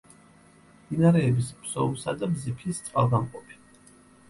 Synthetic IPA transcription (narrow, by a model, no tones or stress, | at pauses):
d̪̥inaɾɛːbisbsɔumˠsad̪abzipʰist̪sʼqʼalˠɡamqʼɔpʰi̥